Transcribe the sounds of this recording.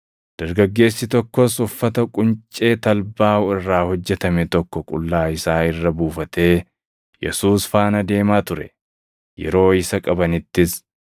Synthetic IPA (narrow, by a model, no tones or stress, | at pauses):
d̪̥ɐɾɡɐɡːe̞ːsːɪt̪ɔkːɔsʊfːɐt̪ɐkʼʊnt͡ʃʼe̞ːt̪ɐlbaːʊɪrːaːhɔd͡ʒːɛt̪ɐmɛt̪ɔkːɔkʼʊ̰lːaːɪsaːɪrːɐbuːfɐt̪ʰe̞ː | jɛ̰suːsfaːnɐd̪e̞ːmaːt̪ʊɾɛ̰ | jɛ̰ɾo̞ːɪsɐkʼɐbɐnɪt̪ːɪs